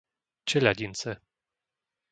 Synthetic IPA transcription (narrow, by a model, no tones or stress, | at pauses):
t͡ʃɛʎaɟint͡sɛ